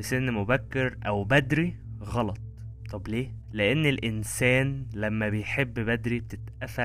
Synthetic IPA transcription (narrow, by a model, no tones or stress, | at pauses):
senːmobækːeɾʔæwbæd̪ɾiɣɑlɑt̪̚ˤ | t̪ˤːɑbleː | leʔenːelʔensæːnlæmːæbejħebːbæd̪ɾib̚t̪et̪ʔæfæ